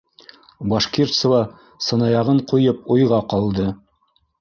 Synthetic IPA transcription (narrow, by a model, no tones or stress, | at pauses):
bɑʃkʲirt̪səvɑ | sɤ̆nɑjɑʁɤɴqŭjɤp̚ujʁɑqɑlˠd̪ɤ